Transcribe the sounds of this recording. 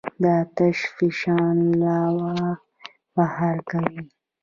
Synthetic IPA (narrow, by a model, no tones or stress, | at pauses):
d̪at̪aʃfiʃɑːnlɑwa | bahɑɾkawi